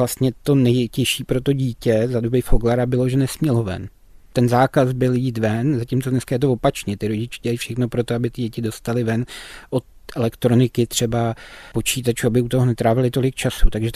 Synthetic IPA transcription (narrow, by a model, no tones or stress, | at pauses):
last̪ɲɛt̪o̞nɛjcɛʃiːpɾo̞t̪o̞ɟiːcɛzadobɪfoɡlaɾabɪlo̞ʒɛnɛsmɲɛlo̞vɛ̰n | t̪ɛnzaːkazbɪljiːt̪vɛnzacimt͡sodnɛskajɛt̪̬ovo̞pat͡ʃɲɛt̪ɪɾo̞ɟɪt͡ʃɛ̥ɟɛlaifʃɛxno̞pɾo̞t̪o̞abɪt̪ɪɟɛcɪdo̞st̪alɪvɛnʔo̞t̪̚ʔɛlɛkt̪ɾo̞nɪkɪt̪r̝̥ɛbapo̞t͡ʃiːt̪at͡ʃuːabɪut̪o̞ɦonɛt̪ɾaːvɛlɪt̪o̞lɪk̚t͡ʃasut̪aɡʒɛ